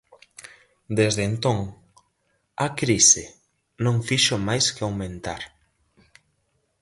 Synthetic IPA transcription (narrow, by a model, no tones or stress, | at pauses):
d̪ezðent̪õŋ | akɾisɪ | nõŋfiʃomajskeawmẽnt̪a̰ɾ